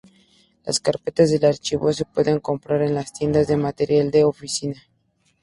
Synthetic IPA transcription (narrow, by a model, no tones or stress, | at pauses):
la̰skaɾpe̞t̪azðe̞laɾt͡ʃiβo̞s̬e̞pwe̞ðe̞ŋko̞mpɾaɾe̞nlast̪je̞nd̪azðe̞mat̪e̞ɾjald̪e̞ofisina